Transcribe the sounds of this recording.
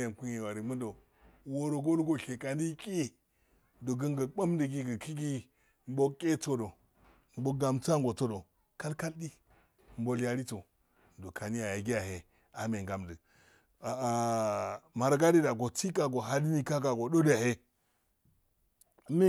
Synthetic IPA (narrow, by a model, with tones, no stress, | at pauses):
ja˨n˨ku˦ɲe˨wa˨ɾi˨mə˦ndo˨ | wo˦ɾo˨ɡo˦lɡo˨ɬe˨ka˨ndi˦kʼi˦ | do˨ɡə˦ŋɡə˨ɓa˦m˦də˨ɡi˦ɡə˨kʰi˦ɡi˦ | m˦bo˦kʼe˦t͡so˨do˨ | m̩˦bo˦ɡa˨mt͡sa˦ŋ˦ɡo˨to˦do˨ | ka˦lka˦ldi˦ | m˦bo˦lja˦ɾi˦t͡so˨ | do˨kʰa˨ni˦ja˨ja˨ɡi˦ja˨he˨ | a˨˦me˨ŋɡa˨mdə˨ | a˨ | ma˨ɾɡa˦di˦da˨ɡo˨ti˦ka˨ɡo˨ɦa˦di˦ni˦ka˦ka˨ɡo˨do˦dja˨he˦˨˦ | me˦